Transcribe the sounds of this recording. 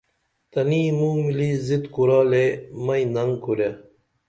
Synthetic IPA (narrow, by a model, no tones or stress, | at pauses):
t̪ɐnimuːmilizit̪kuɾaːlemɐinɐŋkuɾja